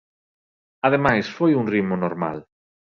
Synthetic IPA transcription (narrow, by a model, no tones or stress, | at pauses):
aðemajsfojuŋrimʊnoɾma̰l